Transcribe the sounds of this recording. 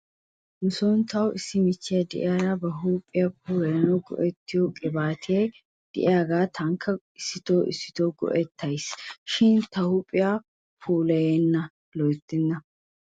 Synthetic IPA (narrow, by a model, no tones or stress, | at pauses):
nʊsoːnt̪ɐwɪsːɪmɪt͡ʃːɪjɐd̪ɛ̰ʔɪ̰jaːdaːbɐɦuːpʼːɪjɐpuːlɐjɐnɐwɡɔ̰ʔɛt̪ːɪjokʼɪbaːt̪ʰɪje | d̪̥ɛ̰ʔɪjaːɡaːt̪ʰɐŋkʰːɐ | ɪsːɪt̪oːʔɪ̰sːɪ̥t̪oːɡɔ̰ʔɛt̪ːɐjsʃɪnt̪ɐhuːpʼːɪja | pʰuːlɐjenːɐ | lɔjt̪ːɪnːɐ